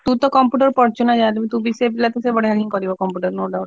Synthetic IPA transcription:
t̪ut̪ɔkɔmpjuʈɔɾpɔɾt͡ʃɔnad͡ʒat̪umit̪ubiseplat̪esebɔɽeɦakiŋkɔɾibɔkɔmpjuʈɔɾnoɖaw

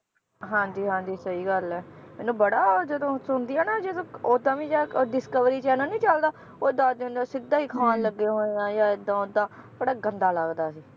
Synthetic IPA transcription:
ɦãːɲd͡ʒiːɦãːɲd͡ʒiːsəiːɡəlɛːmɛːnũːbəɽaːd͡ʒəd̪õːsʊnd̪iːɛːnaːd͡ʒɪd̪õːoːd̪ãːʋĩːd͡ʒaːɖɪskəʋɾiːt͡ʃɛːnəːnĩːt͡ʃəld̪aː | oːd̪ãːd̪eʊ̃nd̪aːsɪd̪aːɦiːkʰaːnləɡːeɦoːejãːjãːɪd̪ãːod̪ãːb̥əɽaːɡənd̪aːləɡd̪aːsiː

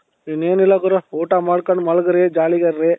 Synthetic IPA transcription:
ineːnilːɐkuɾɐoːʈamaːɽkɐɳɖmɐɭɡɐɾed͡ʒaːliɡɐɾːe

